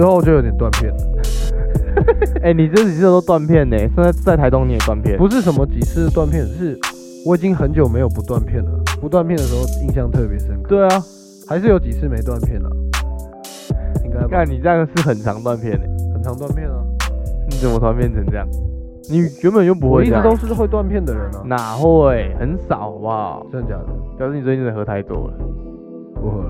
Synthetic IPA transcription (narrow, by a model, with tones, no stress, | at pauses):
ɪxo˥˩ʊ˨t͡ɕjo˥˩ʊjo˨˥t̪ɛ˨nt̪wnpʰjɛ˥˩n | e˥˩ɪni˨˩t͡sə˥n˨˩i˨˥˩t̪o˥t̪wa˥˧npʰjɛ˥˩ne˨˩sə˥n˥˧ɪt͡sa˥˩ɪt̪ʰa˧˥ɪo˥ŋni˨˩ə˨˦t̪wa˥˨npʰjɛ̰˥˩pu˧˦ʂ̬ɻ̩˥˩ʂə˧˥nmə˧t͡ɕi˨˩t͡sʰɹ̩˥˧ə˩t̪wa˥˧npʰjɛ˥˩˨n˧˥ʂɻ̩˥˩ | wɔ˧˥i˨˩t͡ɕi˦˥ŋxə˧˦nt͡ɕjo˨˩ʊme˧˥ɪjo˨˩ʊpu˧˥t̪wa˥˧npʰjɛ˥˩nlə̰˩pu˧˥t̪wa˥˧npʰjnd̪ə˩ʂɻ̩˧˥xo˥˧ʊi˥˧ŋɕjɑ˥˧ŋt̪ʰɤ˥˩pjɛ˧˦ʂə˥nkʰt̪we˥˩ɪɐ˩ | xa˧˥ɪʂ̬ɻ̩˥˩jo˧˥ʊt͡ɕi˨˩t͡sʰɹ̩˥˩me˧˥ɪt̪wa˥˧npʰjɛ˥˩nlə̰˩ | kʰa˥˩nːi˨˩t͡sə˥jŋʂɻ̩˥˩xə˨˩nʈ͡ʂʰɑ˧˥ŋt̪wa˥˧npʰjɛ˥˩nə̰˩˦xə˨˩nt͡sʰɑ˧˥ŋt̪wa˥˧npʰjɛ˥˩nə˩ni˨˥t͡sə˨˩mə˦t̪ʰwa˧˥npʰjnʰə˧ŋʈ͡ʂɤ˥˧jɑ̰˥˩ŋ | ni˨˩jo˧˥˦me˥˩˨jo˥˩p̬u˧˥xwe˥˧ɪi˥˧t̪o˥ŋʂɻ̩˥˧xwe˥˧ɪt̪wa˥˧npʰjɛ˥˩nd̪ə˨ɻə˨˦nə˧˦na˨˩xwe˥˩ɪxə˧˦nsɑ˨˩ʊba˧˥˩ŋt͡ɕja˨˩˨t͡ɕɑ˨˩ʂ̩˥˩ni˨˩swə˨˩xɤ˧˥t̪ʰa˥˧ɪt̪wɔ̰˥˩lə̰˨˦ | pu˧˦xə˧˦